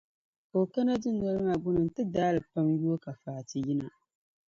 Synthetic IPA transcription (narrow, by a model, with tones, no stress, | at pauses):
ko˨ka˦na˦dɨ˦nɔ˨ɾɨ˦ŋa˨ɡʊ˦nɨ˨n˨tɨ˦daː˦lɨ˨pa˦mju˦o˦ka˨faː˨tɨ˨jɪ˦na˨